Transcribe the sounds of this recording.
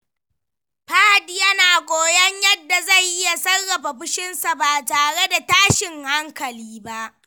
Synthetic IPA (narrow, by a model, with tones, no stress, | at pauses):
ɸaː˦hdi˨jɐ˦naː˨kʷʼoː˨jɐ˦ɲjɐ˦dːa˨za˦˨jʔɪ˦ja˨sɐ˦rːɐ˨ɸa˨ɸʊ˦ʃɪ˦nsa˨baː˨taː˨ɽe˦da˨taː˦ʃɪ˨ŋha˦ŋkɐ˨liː˦ba˦ʔ